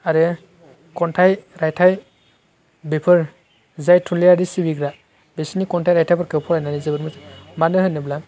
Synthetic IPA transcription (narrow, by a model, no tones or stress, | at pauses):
aɾɛ | kɔntʰajɾajtʰaj | bepʰɯɹ | zajtʰunliadisibiɡɾa | besinikɔntʰajɾajtʰajpʰɔɾkewpʰɔɾajnanizebɯɾmɯtmanɯɦɯjnɯbla